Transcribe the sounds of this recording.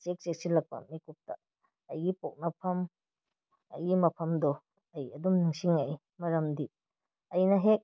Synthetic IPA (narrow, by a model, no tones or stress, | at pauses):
t͡ʃek̚t͡ʃek̚silɐk̚pɐ̰mikup̚ta̰ | ɐjɡipok̚nɐpʰɐm | ɐ̰jɡimɐpʰɐmdɔ | ɐjɐdumniŋsiŋɐj | mɐɾɐmdi | ɐjnɐɦek̚